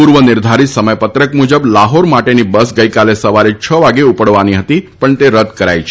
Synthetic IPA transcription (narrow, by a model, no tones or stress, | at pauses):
uɾʋənɪɾd̪ʱaɾit̪səməjpət̪ɾəkmud͡ʒəblaɦoɾmaʈenibəsɡəjkalesəʋaɾet͡ʃʰəʋaɡeupəɽʋaniɦət̪ipəɳt̪eɾəd̪ʱkəɾa̰jt͡ʃʰ